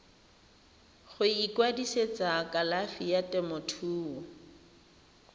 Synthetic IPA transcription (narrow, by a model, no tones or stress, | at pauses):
χʊikwadiset͡sakʼalafijatʼɛmɔtʰuːɔ